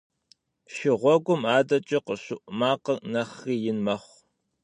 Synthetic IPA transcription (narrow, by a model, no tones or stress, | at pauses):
ʃɪʁʷɔɡʷʊmaːdɐt͡ʃʼɐqəɕʊʔmaːqɐnɐχriːjɪnmɐχʷ